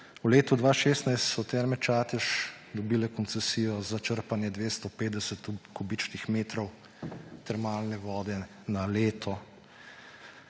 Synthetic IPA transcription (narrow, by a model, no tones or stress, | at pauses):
wleːt̪ud̪ʋaːʃeːst̪najst̪sɔt̪ɛɾmɛt͡ʃaːt̪ɛʃ | d̪ɔbiːlɛkɔnt̪sɛsiːjɔzat͡ʃəɾpanjɛd̪ʋeːst̪ɔpeːt̪d̪ɛsɛt̪kɔbit͡ʃnixmeːt̪ɾɔw | t̪ɛɾmaːlnɛʋɔːd̪ɛ | naleːt̪ʰɔ